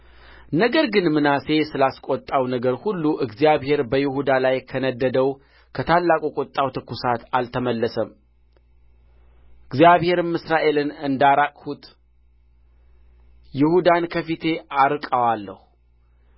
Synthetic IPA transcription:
nəɡəɾɡɨnmɨnase̞sɨlaskʼɔt̪ʼːawnəɡəɾhulːuʔɨɡzijaβhe̞ɾbəjɪhud̪alajkʰənəd̪ːəd̪əw | kʰət̪ʰalːakʼukʼot̪ʼːawt̪ʰɨkʰːusat̪alt̪ʰəməlːəsəm | ʔɨɡzijaβhe̞ɾɨmɨsɾaʔe̞lɨnɨnd̪aɾakʼhut̪ʼ | jɪhud̪ankʰəfit̪ʰe̞ʔaɾɨkʼəwalːəhu

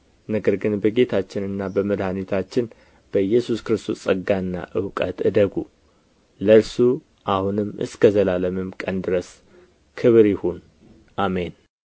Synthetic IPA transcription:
nəɡəɾɡɨnbəɡe̞t̪ʰat͡ʃːɪnɨnːabəməd̪hanit̪ʰat͡ʃːɪn | b̥əjɛsuskɾɨst̪ʰosʼəɡːaɨnːa̰ʔɨwkʼə̰t̪ɨd̪əɡu | ləɾsu | ʔahunɨmːɨ̰skʰəzəlaləmɨmkʼənd̪ɨɾəs | kʰɨβɾjɪhun | ʔame̞n

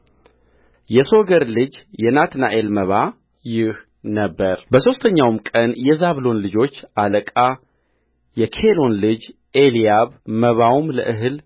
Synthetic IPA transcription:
jɛso̞ɡəɾlɨd͡ʒjɛnat̪na̰ʔelməβa | jɪh | nəbːəɾbəso̞st̪ʰəɲːawmkʼənjɛzaβlo̞nlɨd͡ʒo̞t͡ʃːaləkʼa | jɛkʰelo̞nlɨd͡ʒ | ʔelijaβməβawmlə̰ʔɨɦɨl

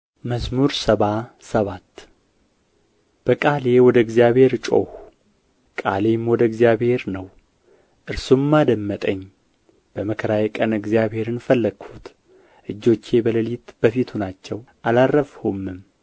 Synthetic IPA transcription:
məzmuɾsəβasəβat̪ː | b̥əkʼale̞wɔd̪əɨɡzijaβhe̞ɾt͡ʃʼo̰hu | kʼa̰lemwɔd̪əɨɡzijaβhe̞ɾnəw | ʔɨɾsummːad̪əmːət̪ʼəɲː | b̥əməkʰəɾajɛkʼənɨɡzijaβhe̞ɾɨnfəlːəɡhut̪ | ʔɨd͡ʒːo̞t͡ʃːe̞bələlit̪b̥əfit̪ʰunat͡ʃːɛwʔalarːəfhomːɨm

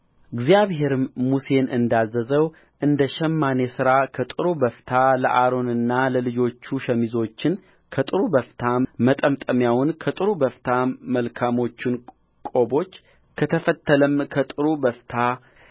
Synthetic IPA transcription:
ɨɡzijaβhe̞ɾɨmmuse̞nʔɨnd̪azːəzəw | ʔɨnd̪əʃɛmːane̞sɨɾakʰət̪ʼɨɾubəft̪ʰaləʔaɾo̞nɨnːaləlɨd͡ʒo̞t͡ʃːuʃəmizo̞t͡ʃːɪn | kʰət̪ʼɨɾubəft̪ʰamət̪ʼəmt̪ʼəmjawʊnkʰət̪ʼɨɾubəft̪ʰaməlkʰamo̞t͡ʃːɪn | kʼo̞bo̞t͡ʃː | kʰət̪ʰəfət̪ːələmkʰət̪ʼɨɾubəft̪ʰa

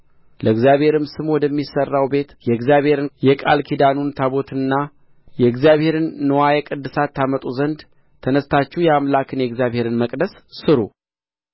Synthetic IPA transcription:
ləɨɡzjaβhe̞ɾɨmsɨmwɔd̪əmːisərːawbe̞t̪jɛɡzjaβhe̞ɾɨnjɛkʼa̰lkʰid̪anunt̪ʰaβo̞t̪ʰɨnːa | jɛɨɡzjaβhe̞ɾɨnːɨwajɛkʼɨd̪ːɨsat̪ʰːamət̪ʼuzənd̪ | t̪ʰənəst̪ʰat͡ʃːihwjɛamlakʰɨnjɛɡzjaβhe̞ɾɨnməkʼd̪əsːɨɾṵ

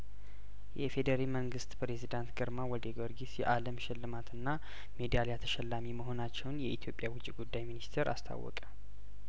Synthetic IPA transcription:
jɛfe̞d̪əɾalməŋɡɨst̪pɾe̞zid̪ant̪ɡəɾmawɔd̪eɡoɾɡisjɛʔaləmʃɪlːɨmat̪ʰɨnːa | me̞d̪ijaljat̪ʰə̥ʃɛlːamiməɦo̞nat͡ʃːɛwnjɛʔit̪ʰjo̞pʼjawʊt͡ʃʼːiɡud̪ːajminist̪ʰeɾa̰st̪ʰa̰wːɔ̰kʼə̥

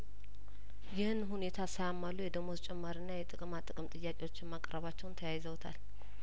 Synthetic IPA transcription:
jɪhɨnhune̞t̪ʰasajamːalujɛd̪əmozt͡ʃʼɛmːaɾɨnːajɛt̪ʼɨkʼɨmat̪ʼɨkʼɨmt̪ʼɨjːakʼewo̞t͡ʃːɪnmakʼɾəβat͡ʃːɛwnt̪ʰəjajɪzəwt̪ʰa̰l

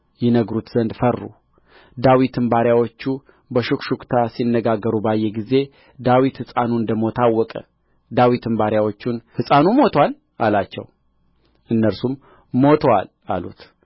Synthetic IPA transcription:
jɛnəɡɾut̪z̥ənd̪fərːṵ | d̪awit̪ʰɨmbaɾjawot͡ʃːu | bəʃukʃukt̪ʰasinːəɡaɡːəɾubajːɛɡize̞ | d̪awit̪hɨsʼanuɨnd̪əmo̞t̪ʰawːɔkʼə̰ | d̪awit̪ɨmbaɾjawo̞t͡ʃːunhɨsʼanumo̞t̪ʰwal | a̰lat͡ʃːɛ̰w | ʔɨnːəɾsum | mo̞t̪ʰəwa̰l | a̰lṵt̪

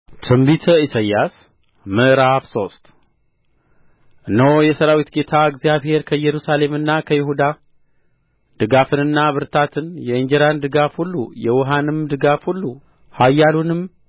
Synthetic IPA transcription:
t̪ʰɨmbit̪ʰəisajas | məʔɾafso̞st̪ | ʔɨnːəwjɛsəɾawit̪ɡe̞t̪ʰaɨɡzjaβhe̞ɾkʰəjɛɾusale̞mɨnːakʰəjɪhud̪a | d̪ɨɡafɨnɨnːaβɨɾt̪ʰat̪ʰɨnjɛiɲd͡ʒɛɾand̪ɨɡafhulːṵjɛwɦanɨmd̪ɨɡafhulːu | hajːalunɨm

